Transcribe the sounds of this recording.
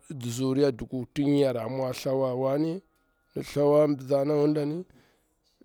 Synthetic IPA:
di˨zu˨ɾi˦a˦du˨ku˨ti˦ɲ˦a˨ɾa˨mwa˦ɬa˦wa˦wa˦ni˦ | ni˨ɬa˦wa˦bza˦na˦wu˦nda˦ni˦

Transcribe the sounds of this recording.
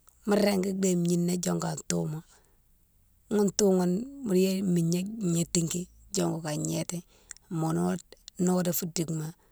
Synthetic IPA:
mu˦ɾe˦ŋɡi˦ɡ͡be˦˨m˨ɲi˦nːa˦d͡ʒo˦ŋɡa˨ntṵ˦mo˨ | ŋu˦ntu˦ŋu˦nmu˦˨ɾje˦mi˨ɲe˦ɲe˦ti˦ŋki˦ | d͡ʒo˦ŋɡu˨ka˨ɲe˦te˦˨ | mo˨n˦no˦de˨fu˦di˨kma˦˨

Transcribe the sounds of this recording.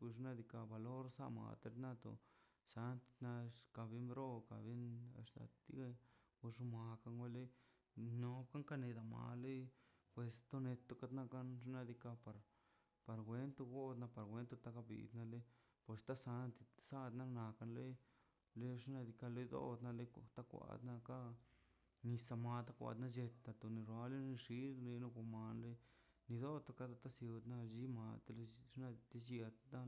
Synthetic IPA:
u˧ʐna˧d̪i˧ka˧ba˨lo˦ɾsa̰˦˧ma̰˨t̪e˧ɾna˦t̪o̰˨ | sa˧˦nt̪i̥˧na˧ka˧bi˦mbɾo˦ka˨bi˦na̰˧ʂt̪a̰˨t̪ḭ˧ | u˧ʐu˧ma˨ka˧ŋwʷe˦le˦j | no˧˦bka˦ŋka˧ne˧d̪a˨ma̰˨lo˦jpwe˨st̪o˦ne˧t̪o˧ka˧t̪na˦˧ka˦nʐ̬na˧d̪i˧ka˧pa˧ɾ | pa˧ɾɡʷwe˧nt̪u˧ɡo˦d̪na˧pa˨ɾɡʷwe˧˦nt̪u˧t̪a˧ka˧bḭ˨d̪na˧le˦ | pe˧st̪a˦sa˧na˦t̪i˧sa˦d̪na˦˧na˨ka˧nlo˦j | le˦ʂna˧d̪i˧ka˧lo˦jd̪o̰˦d̪na˧le˧t̪a˦kʷa̰˧d̪na˧ka˦ | ni˧sa˧ma˧t̪a˦kʷa̰˧˨d̪na˧d͡ʒe˧t̪ːa˧t̪o˧˨ni˧ɾwa˧le˦ni˧ʂi˦ɾɾe˧no˧kʷa˧ma˨nɾe˧˦ | ni˧d̪o˦t̪o˧ka˧t̪a˧t̪a˦sju˧d̪na˦˧d͡ʒi˦ma˧t̪e˧lʂna˧t̪i˧d͡ʒi˦a˧a˦

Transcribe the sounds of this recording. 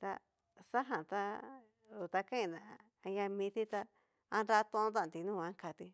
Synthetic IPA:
t̪a̰˧ | sa˦ɦã˨t̪a˧ | u˨t̪a˧kã˦ĩ˧˨nã˨ | a˧jã˧mĩ˧t̪i˦t̪a˧ | a˧nɾa˧˦˧t̪õ˧õ˦t̪ã˦˧˨t̪i˧nũ˦˧ã˧˦ka˧t̪i˧

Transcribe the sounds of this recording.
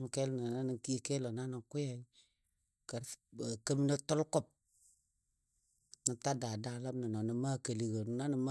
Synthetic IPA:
m˨ke˦lna˨na˦ni˨ki˦ke˦lo˨na˦nə˨ŋku˦ja˨i˦ | ka˨ɾkə˦mi˦na˦tɔ˦lkɔ˦˨p̚ | nə˨ta˦da˨da˨˦la˦mna˨no˨nə˨ma˦ke˨li˨ɡo˨n˨˦na˦nə˨ma˦

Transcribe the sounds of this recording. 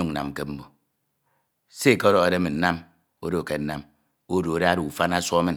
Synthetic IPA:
u˦ŋ˨na̰˨m̩˨ke˦m̩˦bo˨ | se˦˨ke˦ɾɔ˨ɣa˨de˦mi˨n̩˦na˦m | o˦do˦˨ke˨n̩˦na˦m | o˦do˨o˨de˦a˦ɾu˨u˨fa˦na˦sʷɔ˦mi˦˨n

